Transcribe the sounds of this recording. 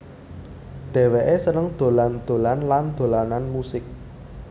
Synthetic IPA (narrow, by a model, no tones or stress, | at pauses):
d̪̥ɛ̤weʔesənəŋd̪̥o̤land̪̥o̤lanland̪̥o̤lananmusɪk̚